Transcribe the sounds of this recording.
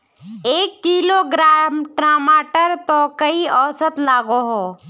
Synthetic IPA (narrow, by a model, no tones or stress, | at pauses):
eːkːiːloːɡɾamʈɾaːmaːʈəɾt̪oːkəiɔːsət̪laːɡoɦoː